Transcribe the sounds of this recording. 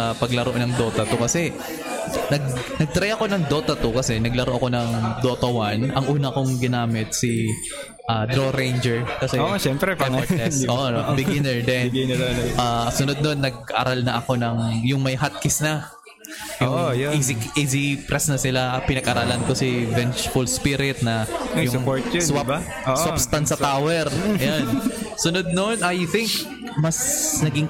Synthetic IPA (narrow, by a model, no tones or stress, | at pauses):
apɐɡlɐɾoʔonɐŋd̪o̞ːt̪ɐt̪ukɐsɛ | nɐɡ̚nɐɡ̚t̪ɾɐjɐko̞nɐŋd̪ot̪ɐt̪ukɐsɛnɐɡlɐɾoʔɐko̞nɐŋd̪o̞ːt̪ɐwanɐŋʔuːnɐkoŋɡɪnaːmɪt̪̚sɪ | ʔad̪ɾoɾejnd͡ʒɛɹkɐsɛoʃɛmpɾɛpɛʔoʔbɪɡɪnɛɹd̪ɛnʔasʊnod̪̚no̞nːɐɡ̚ʔa̰ɾalnɐʔɐko̞nɐŋjʊŋmɐjɦat̪̚kɪsnɐ | jʊŋizɪkʔizipɾɛsnɐsɪlaʔpɪnɐɡʔɐɾaːlɐnkosɪvɛnt͡ʃfʊlspiɾɪt̪̚nɐjʊŋpoɹt̪swab | osabst̪ɐnt̪sɐt̪aːwɛɾjansʊnod̪̚nonʔɐjθɪŋk | mɐsnɐɡɪŋ